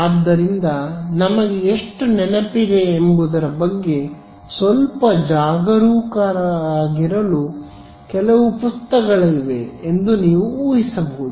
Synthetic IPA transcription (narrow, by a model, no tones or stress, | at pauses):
ad̪ːɐɾind̪ɐnɐmɐɡeːʂʈunɛnɐpid̪e̞ːmbud̪ɐɾɐbɐɡːe̞ | sʋɐlpɐd͡ʒaːɡɐɾuːkaːɾɐːɡiɾɐlu | kɛlɐʋupust̪ɐɡɐɭɐiʋe̞ːnd̪uniːʋuuːɦisɐbɐɦud̪u